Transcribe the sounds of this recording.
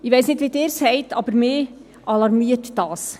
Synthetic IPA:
ɪʋɛɪsnɪdʋideːɾshɛɪtʰɑ̰bəɾmeː | ʔɑlɑɾmiətd̥ɑːs

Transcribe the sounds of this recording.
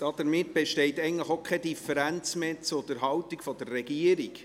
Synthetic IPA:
d̥ɑːd̥̪əɾmɪt̚b̥eʃtɛɪtɛɪɡən̩ləχokʰɛdifɛɾænt͡smet͡sʊd̥̪əɾɦɑwtikfɔd̥̪ərːɛɡiəɾik

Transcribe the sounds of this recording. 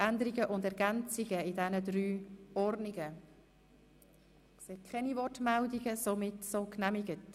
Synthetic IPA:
ʔændəɾiɡəʔʊndɛɾɡɛnt͡sɪɡəɪdɛnədɾyːɔrdnɪɡə | kseːkʰχɛnivɔrtmɛldiɡəsomɪtsoːknæmɪɡət

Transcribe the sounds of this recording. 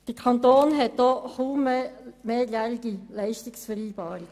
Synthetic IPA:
d̥əkʰɑnt̪oːnɦɛt̚d̥ɔχuːmemeːjæliɡ̥ilɛɪʃtɪksfəɾiːb̥ɑːɾik

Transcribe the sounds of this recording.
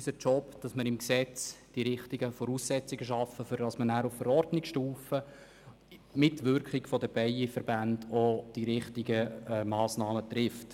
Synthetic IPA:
sət͡ʃɔpd̥ɑsməɾɪmksɛt͡sd̥iɾɪχtiɡəfɔɾuːsːɛt͡siɡəʃɑfəfʏɾdɑsmənæːɾuffəɾɔrdnɪkʃtuːfə | mɪtʋʏɾkχɪɡ̥fɔdəb̥ɛɪifəɾbændod̥iɾɪχtɪɡəɛmɑːsnɑːmət̪rɪft

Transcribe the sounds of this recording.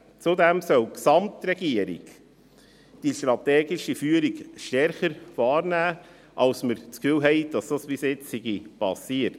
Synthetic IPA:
t͡sudɛmsœwksɑmt̪ɾɛɡiəɾḭɡ | d̥iʃtɾɑt̪ɛːɡɪʃifyːəɾiɡʃtɛɾχəɾfɑːɾnæː | ʔɑlsməɾt͡skfyːwɦɛɪd̥ɑsd̥ɑspisɪt͡ssɪɡipɑsiət

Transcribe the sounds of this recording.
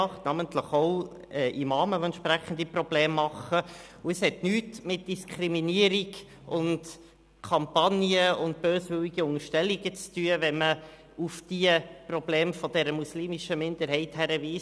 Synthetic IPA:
ɑχtnɑmənt̪ləχɔʊ | ɛʔimɑːməvoɛntʃpɾæχən̩d̥̪iprɔb̥leːmːɑχə | ʊəshɛtnyːtmɪt̚d̥iskʰɾiminiəɾiɡ | ʊnd | kʰɑmpɑniəʊnt̚b̥øːsʋʏwiɡəʊŋəʃtɛlːiɡət͡styːəvɛnmə | ufd̥iəprɔbleːmfɔd̥ɛɾəmusliːmiʃəmɪnd̥̪əɾɦɛɪthæɾəviːs

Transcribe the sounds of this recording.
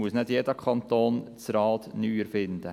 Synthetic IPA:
uəsnɛd̪jeːd̪əkʰɑnt̪oːnt͡sɾɑːt̪nyːəɾfɪnd̪ə

